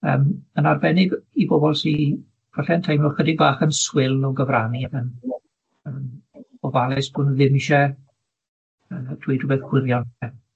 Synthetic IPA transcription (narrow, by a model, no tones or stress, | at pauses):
əːmənarbɛnɪɡibobɔlˠsi | v̥aɬɛəntʰajmvɔχwədɪɡ̚baːχənswɪlˠɔɡəvraniaɡən | əmɔvalˠɛsb̥ʊnðɪmiʃɛ | əːdʰwiːdrʊbɛθkwɪɾjɔnɛ